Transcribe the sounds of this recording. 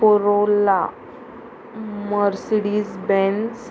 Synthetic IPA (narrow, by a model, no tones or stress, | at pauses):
oɾola | məɾsiɽiːzbɛ̃ns